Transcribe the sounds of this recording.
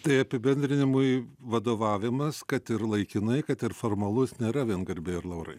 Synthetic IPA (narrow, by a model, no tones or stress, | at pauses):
t̪ɐɪɐpʲɪbʲɛnʲd̪ʲɾʲɪnʲɪmʊɪʋɐd̪oːʋɑːʋʲɪmɐskɐt̪ɪɾlˠɐɪkʲɪnɐɪkɐt̪ɪɾfoːrmɐlˠʊsnʲeːɾɐʋʲiɛnɡɐɾʲbʲeːɪɾlˠɐʊɾɐ̰ɪ